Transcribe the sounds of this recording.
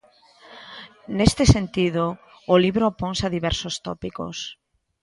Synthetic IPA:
nest̪esent̪iðoː | liβɾopɔŋsaðiβɛɾsost̪ɔpiko̰s

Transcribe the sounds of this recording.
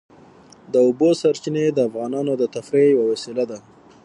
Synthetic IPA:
d̪əʊbosaɾt͡ʃined̪əafɣɑnɑnod̪ət̪afɾejawawasilad̪a

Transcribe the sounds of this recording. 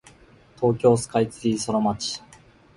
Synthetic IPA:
t̪ʰo̞ːkʲo̞ːsɨ̥kait͡sɨisonomat͡ɕi̥

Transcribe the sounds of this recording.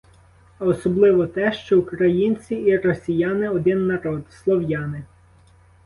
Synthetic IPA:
ɐɔsɔblˠɪʋɔt̪ɛʃt͡ʃɔukɾɐjinʲt͡sʲiiɾɔsʲijɑnɪɔd̪ɪnːɐɾɔd̪slˠɔwjɑnɪ

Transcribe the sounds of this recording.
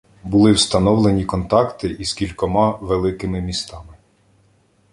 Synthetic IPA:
bʊlˠɪwst̪ɐnɔwlˠenʲikɔnt̪ɑkt̪ɪʔiskʲilʲkɔmɑʋelˠɪkɪmɪmʲist̪ɑmɪ

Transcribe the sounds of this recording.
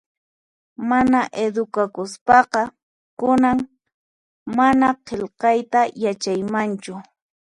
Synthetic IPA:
manaʔed̪ʊkakʊspɑqɑ | kʊnaŋ | manaqʰelqɑjt̪ajat͡ʃajmant͡ʃʊ

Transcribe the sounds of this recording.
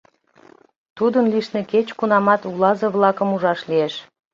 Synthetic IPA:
t̪ud̪ənliʃnĕket͡ɕkunɑmɑt̪ulɑzɤβlɑkəmuʒɑʃlieʃ

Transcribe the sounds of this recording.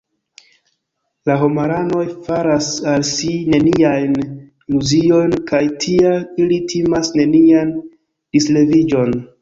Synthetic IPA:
laɦomaɾano̞jfaɾasalsine̞niiajn | muzio̞jnkajtʰiailitʰimasne̞nian | d̥isle̞vid͡ʒo̞n

